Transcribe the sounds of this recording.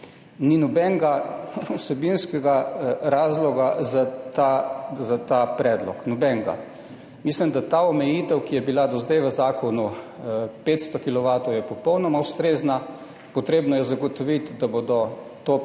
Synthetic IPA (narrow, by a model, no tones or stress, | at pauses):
ninɔbɛŋɡausɛbinskɛɡaɾaːzlɔɡazat̪azat̪apɾɛːd̪lɔ̰knɔbɛŋɡa̰ | mislimd̪at̪aɔmɛjiːt̪ɛwkijɛbilad̪ɔzd̪ajʋəzaːkʰɔnu | peːt̪st̪ɔkilɔʋaːt̪ɔwjɛpɔpɔwnɔmawst̪ɾeːzna | pɔt̪ɾeːbnɔjɛzaɡɔt̪ɔʋit̪d̪abod̪ɔ | t̪o